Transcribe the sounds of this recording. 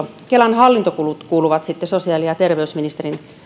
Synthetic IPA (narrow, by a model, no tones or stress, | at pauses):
kelɑnhɑlːint̪okulut̪kuːluʋɑt̪sit̪ːesosiɑːliɑt̪erʋeysminist̪erin